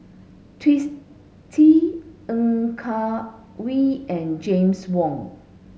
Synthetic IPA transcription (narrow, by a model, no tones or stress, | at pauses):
tʰwis | tʰiə̃ŋkʰa | wiɛ̃nd͡ʒẽmswɔ̃ŋ